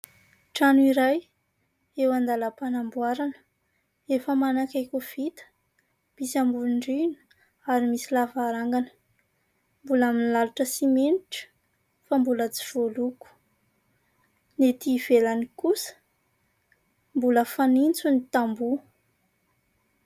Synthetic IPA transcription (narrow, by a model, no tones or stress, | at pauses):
ʈ͡ʂanuiɾaj | ewand̪alapanambuwaɾanə̥ | efəmanakakuv̥it̪ə̥ | b̥isambuɳɖ͡ʐinu̥ | aɾimisilavaɾaŋɡanə̥ | mbulaminlaluʈ͡ʂəsimeniʈ͡ʂə̥ | fambulət͡si̥v̥oluku̥ | net̪iv̥elanikusə̥ | mbuləfanint͡sunit̪ambu